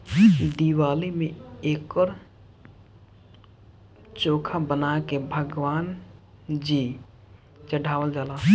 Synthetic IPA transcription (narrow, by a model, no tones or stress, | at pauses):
d̪iwaːlimeeːkəɾ | t͡ʃoːkʰabənakebʱəɡʋaːn | d͡ʒi | t͡ʃəɖʱaːʋəld͡ʒaːla